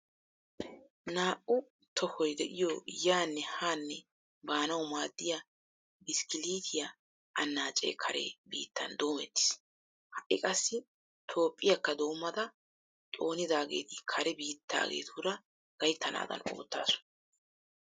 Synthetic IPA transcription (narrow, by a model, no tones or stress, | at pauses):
naːʔʊ | t̪ʰɔhɔjd̪ɛʔɪjɔjaːnːɛhaːnːɛ | baːnɐwʊmaːd̪ːɪjɐ | bɪskɪliːt̪ʰɪjɐ | ʔɐnːaːt͡ʃʼḛːkʰɐɾḛbḭːt̪ːɐnd̪o̞ːmɛt̪ːɪ̥s | hɐʔɪkʼɐsːɪ | t̪ʰo̞ːpʼːɪjɐkːɐd̪o̞ːmːɐd̪ɐ | t̪ʼo̞ːnɪd̪aːɡe̞̰ːt̪ɪkʰɐɾɛbiːt̪ʰːa̰ːɡḛːt̪uɾɐ | ɡ̥ɐjt̪ːɐna̰ːd̪ɐ̰no̞̰ːt̪ːa̰ːsʊ̥